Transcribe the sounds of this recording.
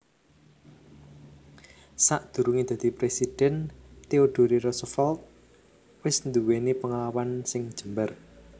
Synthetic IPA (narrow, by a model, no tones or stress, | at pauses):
saʔd̪̥ṳɾuŋid̪̥ä̤d̪̥i̤pɾesid̥ɛnt̪eoɖ̪̥o̤ɾiɾɔsəfɔlt̪̚ | wɪsnd̪uwenipəŋalawansɪŋd̥ʒ̥ə̤mbər